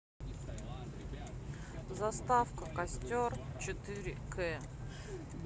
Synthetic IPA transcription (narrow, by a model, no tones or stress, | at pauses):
zɐst̪afkəkɐsʲtʲort͡ɕɪt̪ɨɾʲɪkʰɛ